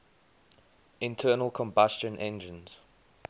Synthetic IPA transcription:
ɪ̃ntʰɜːnəlˠkʰɔ̃mbast͡ʃə̃nʔɛ̃nd͡ʒə̃nz̥

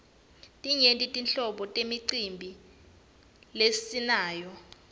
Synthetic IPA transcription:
tʼiɲentʼitʼinɬɔɓɔtʼemiǀimbʱi | lessinaːjɔ

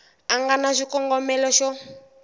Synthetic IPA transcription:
aŋɡanaʃikʼɔŋɡɔmɛlɔʃɔ

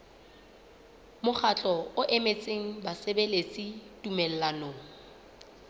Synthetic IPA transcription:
mʊχat͡ɬʼɔʊʔemet͡sʼeŋ̩basebelet͡sʼitʼumɛl̩lanoːŋ̩

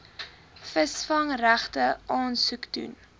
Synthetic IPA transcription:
fəsfɐŋræχtəʔɑːnsukdṵn

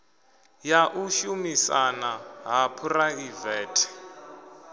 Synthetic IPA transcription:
jaʔuʃumisanaɦapʰuraivɛːtʰɛ̥

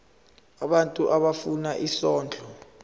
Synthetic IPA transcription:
aɓantʼuʔaɓafunaʔisɔːnd͡ɮʱɔ

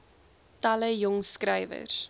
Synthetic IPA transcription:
tɐləjɔŋskɾɛjvə̰r

